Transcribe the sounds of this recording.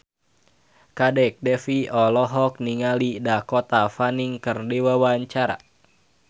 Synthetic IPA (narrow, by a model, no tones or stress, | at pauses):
kadɛk̚dɛfiɔlɔɦɔk̚niŋalidakɔt̪afaniŋkɨrdiwawaɲt͡ʃaɾa̰